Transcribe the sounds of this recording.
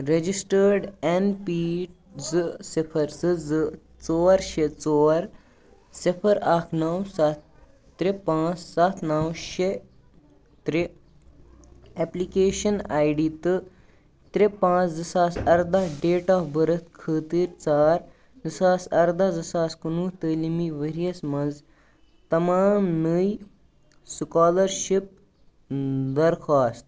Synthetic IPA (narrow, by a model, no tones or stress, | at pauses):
ɾed͡ʒisʈəɾɖenpiːʈ | zɨsipʰɐɾsɨzɨ | t͡soːɾʃet͡sɔːɾ | sipʰɐɾaːkʰnɐwsat̪ː | ɾepãːt͡ssat̪ʰnɐwʃe | t̪ɾe | ɛplikeːʃɐnaːjɖiːt̪ɨ | t̪ɾepãːt͡szɨsaːsɐɾd̪ɐɦɖeːʈaːfbɐɾɐt̪ʰkʰəːt̪iːɾt͡saːɾ | d͡zɨsaːsɐɾd̪ɐzɐsaːskunut̪əːlimiʋɐɾiɐsmɐz | t̪ɐmaːmnəj | skaːlɐɾʃip̚ | d̪ɐɾkʰaːst̪̚